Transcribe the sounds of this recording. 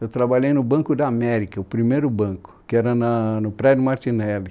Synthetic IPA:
ewt̪ɾabaʎejnʊbɐ̃ŋkʊd̪amɛɾikɐʊpɾimejɾʊbɐ̃ŋkʊ̥kɪɛɾɐnɐnʊpɾɛd̪ʊmaɾt̪inɛlɪ

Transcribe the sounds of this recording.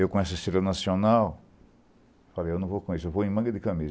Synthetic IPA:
ewkõɛsɐseɾɐnasionaw | falejewnɐ̃w̃vokõisʊewvoẽj̃mɐ̃ŋɡɐd̪ɪkɐmiz

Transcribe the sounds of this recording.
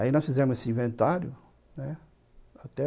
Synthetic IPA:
ainɔ̃sfizɛɾmʊzesɪĩvẽnt̪aɾjʊ | nɛ | at̪ɛ

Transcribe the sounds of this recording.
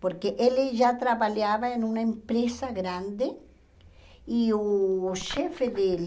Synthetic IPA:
poɾkeʔeleʝat̪ɾaβaljaβaenunaempɾesaɣɾand̪e | ioʃefeðe

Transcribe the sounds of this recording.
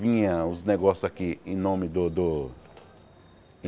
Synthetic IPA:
vĩɲɐʊzneɡɔsjʊzakiẽnõmɪd̪ʊd̪ʊ

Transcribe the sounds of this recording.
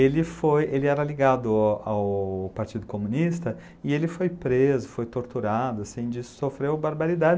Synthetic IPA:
elɪfojelɪɛɾɐliɡad̪ʊawpaɾt͡ʃid̪ʊkomũnist̪ɐ | ɪelɪfojpɾezʊfojt̪oɾt̪uɾad̪ʊasẽj̃d͡ʒisofɾewbaɾbaɾid̪ad͡ʒɪ

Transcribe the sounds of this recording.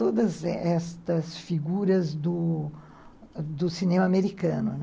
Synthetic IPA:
t̪od̪ɐzɛst̪ɐsfiɡuɾɐzd̪ʊ | d̪ʊsinẽmɐameɾikɐ̃nʊ̰n

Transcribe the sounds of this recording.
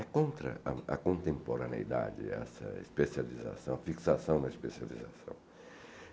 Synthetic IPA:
ɛkõnt̪ɾɐ̰akõnt̪ẽmpoɾanḛid̪a̰d͡ʒɪ̰a̰sɐ̰ḛspesjaliza̰sɐ̃w̃afiksasɐ̃w̃d̪ɐespesjalizasɐ̰̃w̃

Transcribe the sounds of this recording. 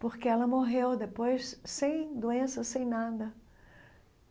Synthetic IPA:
poɾkeɛlɐmoɦewd̪epojsːẽj̃d̪uẽsɐsẽj̃nad̪ɐ

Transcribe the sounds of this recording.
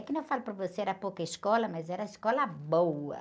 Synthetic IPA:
kɪnɐ̃w̃falʊpɾɐvoseɛɾɐpowkɐiskɔlɐmɐzɛɾɐiskɔlɐbowɐ̰

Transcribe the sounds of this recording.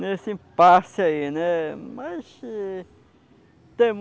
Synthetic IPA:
nesɪĩpasɪainɛmas | t̪ẽm

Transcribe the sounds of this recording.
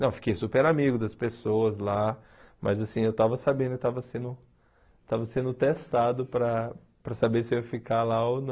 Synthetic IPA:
nɐ̃w̃fi̥kejsupeɾamiɡʊd̪ɐspesowɐzla | mʔɐ̰zasĩewt̪avɐsabẽd̪ʊkɪt̪avɐsẽnd̪ʊ | t̪avɐsẽnd̪ʊt̪est̪ad̪ʊpɾɐ | pɾɐsabeɾsɪewfikalaonɐ̃

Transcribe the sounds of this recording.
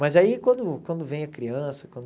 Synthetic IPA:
mɐzaikwɐ̃nd̪ʊkwɐ̃nd̪ʊvẽj̃ɐkɾiɐ̃sɐ̥kwɐ̃nd̪

